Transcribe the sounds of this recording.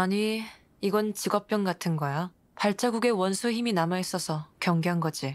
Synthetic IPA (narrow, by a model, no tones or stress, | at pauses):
aɲiː | ɡʌnt͡ɕiɡʌp̚p͈jʌnɡatʰɯnɡʌja | paɭt͡ɕ͈aɡuɡe̞wʌnsʰuçiminamais͈ʌsʰʌkjʌŋɡeɦanɡʌd͡ʑi